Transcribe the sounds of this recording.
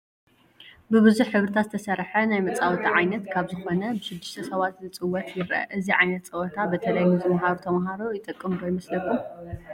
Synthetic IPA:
bɨβɨzuħħɨβɾɨt̪ʰat̪zɨt̪ʰɐsɐɾħɐnajmɐt͡sʼawt̪ʰiʕajnɐt̪kʰaβzɨxo̞nɐbɨʃɨd̪ːɨʃt̪ʰɐsɐβat̪nɨt͡sʼɨwːɔt̪jɪɾɐ̰ʔɨziʕajnɐt̪̚t͡sʼɐwɐt̪ʰabɐt̪ʰɐlajnɨzʼɨmaɦaɾot̪ʰɐmaɦaɾojɪt̪ʼɨkʼːɨmd̪ojɪmɐslɐkʰːu

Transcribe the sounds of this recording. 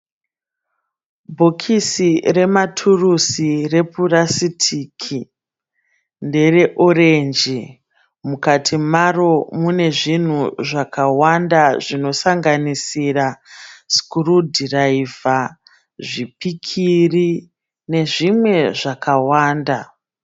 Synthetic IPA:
bʱo̞kʰisire̞matʰurusire̞purasitʰikʰi | nde̞re̞ʔoɾend͡ʒi | mukatʰimaro̞mune̞ʐin̤uʐakawandaʐino̞saŋɡanisiraskurudraiva | ʐipikʰiri | ne̞ʐimwe̞ʐakawaːnda

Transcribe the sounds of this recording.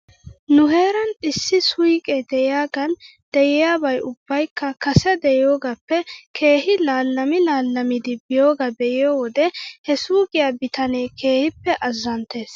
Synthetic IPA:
nʊɦe̞ːɾɐnɪsːɪsʊjkʼɛd̪ɛjɪjaːɡɐn | d̪̥ɛjɪjaːbɐjʔʊb̥ːɐjkːɐkɐsɛd̪ɛjɪjoːɡɐpːɛkʰe̞ːhɪlaːlːɐmɪlaːlːɐmɪd̪ɪbɪjoːɡɐbɛʔɪjoːwɔd̪ɛhɛsuːɡɪjabɪt̪ɐneːkʰe̞ːhɪpːɛʔɐzːɐnt̪e̞ːs

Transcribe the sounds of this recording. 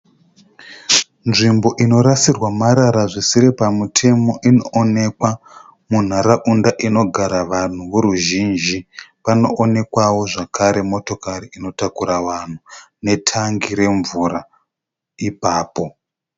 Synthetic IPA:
nʐimbo̞ʔino̞ɾasirwamaɾaɾaʐisiɾepamutʰe̞mo̞ʔinoʔone̞kwa | mun̤aɾaʔundaʔino̞ɡʱaɾaʋan̤uʋuɾuʒind͡ʒipano̞ʔone̞kwawo̞ʐakaɾe̞mo̞to̞kaɾiino̞takuɾaʋan̤u | ne̞tʰaŋɡiɾe̞ɱvuɾa | ipaːpo̞

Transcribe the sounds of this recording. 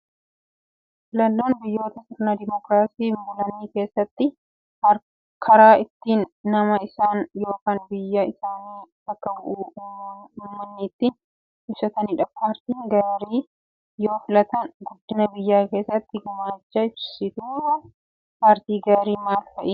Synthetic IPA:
fɪlɐnːoːnbɪjːo̞ːt̪ɐsɪɾnɐd̪ɪmɔkɾaːsiːmbʊlɐnːiːke̞ːsːɐt̪ːɪ | ɐɾ | kʰɐɾaːɪt̪ːiːnːɐmɐɪsaːnjo̞ːkaːnbɪjːɐɪsaːniːt̪ɐkːɐbʊʔuː | ʊmːɐnːɪːt̪ːiːn | ɪsɐt̪ɐnɪᶑɐpʰaːɾt̪iːŋɡɐɾiː | jo̞ːfɪlɐt̪ɐnɡʊd̪ːɪnɐbɪjːaːke̞ːsːɐt̪ːɪɡɐmaːd͡ʒːɐɪbsɪd̪uːɾɐ | paːɾt̪iːɡɐɾiːmaːlfɐʔiː

